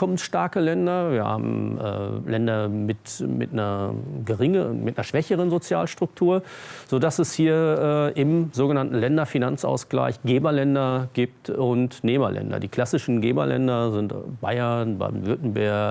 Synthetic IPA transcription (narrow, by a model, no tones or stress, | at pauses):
ɔmənʃtaɐkəlɛndɐviːɐha̰ːbm̩ʔɛ̰ːlɛndɐmɪtmɪ̰tnɐɡəʁɪŋəmɪtnɐʃv̥ɛçəʁ̞ənzot͡sja̰ːlʃtʁ̥ʊk̚tʰuːɐz̥odasɛshiːɐʔɛːʔɪmzoːɡənantn̩lɛndɐfinant͡sʔa̰ʊsɡ̥la̰ɪçɡ̥eːbɐlɛndɐɡiːp̚tʊntneːbɐ̰lʔɛ̰ndɐ̰diːkʰl̥asɪʃn̩ɡeːbɐ̰lʔɛ̰ndɐzɪntb̥aɪɐnba̰ːnvʏɐtn̩bɛɐ